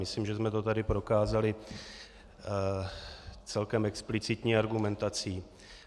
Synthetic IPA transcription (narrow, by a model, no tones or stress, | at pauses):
mɪsliːmʒɛzmɛt̪o̞t̪adɪpɾo̞kaːzalɪ | t͡sɛlkɛmɛksplɪt͡sɪt̪ɲiːaɾɡumɛnt̪at͡siː